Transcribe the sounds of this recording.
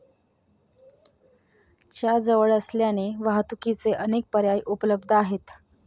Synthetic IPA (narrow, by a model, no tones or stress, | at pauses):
t͡ɕjad͡zəʋəɭəsljaneʋaɦt̪ukit͡seʔənek̚pəɾjajʔupləb̚d̪ʱəaɦet̪